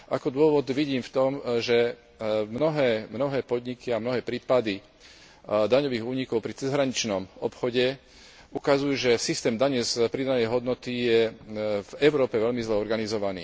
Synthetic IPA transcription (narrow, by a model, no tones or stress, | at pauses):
ʔakɔd̪ʊɔʋɔd̪ʋiɟiːmft̪ɔmʒɛ | mnɔɦɛːmnɔɦɛːpɔd̪ɲikiamnɔɦɛːpɾiːpad̪i | d̪aɲɔʋiːɣuːɲikɔʊpɾit͡sɛzɦɾaɲit͡ʃnɔmɔpxɔɟɛ | ukazujuʒɛsist̪ɛːmd̪aɲɛspɾid̪anɛjɦɔd̪nɔt̪ijɛvɛʊɾɔːpɛʋɛlmizlɛɔɾɡanizɔʋanḭː